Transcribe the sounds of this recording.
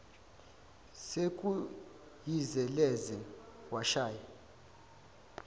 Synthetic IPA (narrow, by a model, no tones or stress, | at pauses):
sekʼu | jizɛlɛzɛwaʃaːja